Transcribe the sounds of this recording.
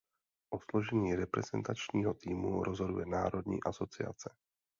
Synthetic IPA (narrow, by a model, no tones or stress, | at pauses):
ʔo̞slo̞ʒɛɲiːɾɛpɾɛzɛ̰nt̪at͡ʃɲiːɦot̪iːmuɾozɦo̞dujɛnaːɾo̞dɲḭːʔaso̞t͡sɪa̰t͡sɛ̥